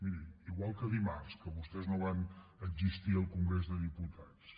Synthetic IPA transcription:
miɾiiɣwalˠkəðimarskəβust̪ɛznoβanəɡzist̪iəlˠkuŋɡɾezðəðiput̪ʰas

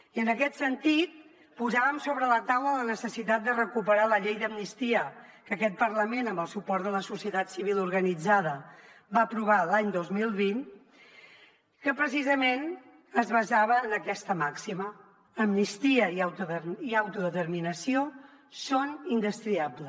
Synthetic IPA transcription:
iənəkɛt̪sənt̪it̪̚ | puzaβəmsoβɾələt̪awlələnəsəsit̪at̪̚d̪ərəkupəɾaləʎejðəmnist̪iəkəkɛt̪̚pəɾləmenəmbəlˠsupɔɾt̪d̪ələsusiət̪at̪siβilˠuɾɣənid͡zaðəbaəpɾuβ̞alaɲd̪ozmilˠβin | kəpɾəsizəmen | əzβəzaβəːnəkɛst̪əmaksimə | əmnist̪iəiawt̪iawt̪uðət̪əɾminəsio | sonind̪əst̪ɾiablə

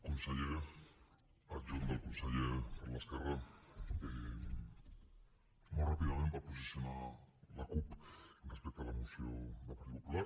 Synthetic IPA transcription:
konseʎe | ad͡ʒond̪alkonseʎepaɾlaskere | e | morapiðament̪apos̬isjonalakuprespekt̪oalamosjoðapɾiβokula

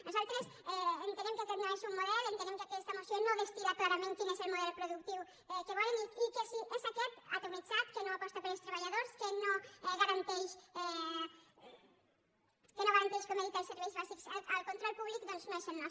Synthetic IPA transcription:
nosawt̪ɾesɛent̪ẽɾẽmket̪eɾinaɾesuŋmːoðɛlʊẽnt̪enemkakeɛst̪amosonoβest̪iðak̪laɾamẽnt̪iŋeseɾmoðɛlopɾoðukt̪iw | ɛkeβɔleŋiikesiʔesakɛt̪a̰t̪omit͡ʃat̪kenõapɔst̪apeɾost̪ɾaβaʎaðoɾskenõɛɣaɾant̪ejʃɛ | kenõŋɣaɾant̪ejʃkomeðit̪aɾseɾβislasiksa̰awkont̪ɾolpuβlikuðolsmẽʃennɔs

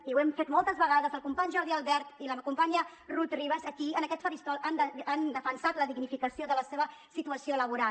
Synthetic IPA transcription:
iwɛmfet̪mɔlˠt̪əzβəɣaðəzəlˠkumpaɲʒɔɾðialˠβɛɾt̪iləmkumpaɲə | rut̪riβəzəkiənəkɛt̪fəɾist̪ɔland̪əand̪əfənsat̪ləðiɡnifikəsioðələseβəsit̪uəsioləβ̞uɾa

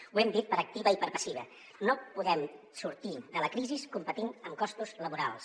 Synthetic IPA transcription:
wɛmd̪it̪̚pəɾək̚t̪iβəipəɾpəsiβ̞ə | nopuðɛm | suɾt̪iðələkɾiziskumpət̪inəmkɔst̪uzləβuɾa̰lˠs

